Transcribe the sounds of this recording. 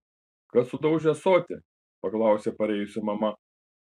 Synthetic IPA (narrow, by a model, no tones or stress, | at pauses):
kɐssʊd̪ɐʊʒʲɛsoːt̪ʲɪ̰ | pɐklˠɑˑʊsʲepɐɾʲɛˑɪjʊsʲɪmɐmɐ